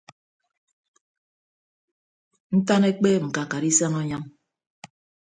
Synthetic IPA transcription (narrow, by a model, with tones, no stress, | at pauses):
n̩˦ta˦ne˦k͡pe˦ŋ̩˨ka˨ka˨ɾi˦sa˦ŋɔ˦ɲa˦ŋ